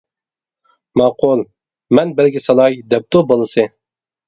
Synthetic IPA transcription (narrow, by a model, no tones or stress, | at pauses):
mɑqʰʊlˠ | mɛnbɛlɡʲisɑlˠɑjd̪ɛp̚t̪obolˠɨsɨ